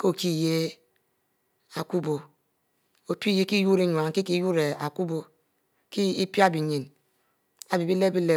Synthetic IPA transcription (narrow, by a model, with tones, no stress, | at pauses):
ko˦o˦˨ki˦˨je˦ | a˨ku˦bo˨ | o˨pi˦je˦ki˦ju˦ɾe˦ɲwa˨ŋki˦ki˦ju˦ɾe˨a˨ku˦bo˨ | ki˦i˦pji˦a˦bi˨ɲi˨n | a˨bi˨bi˦le˦bi˦le˦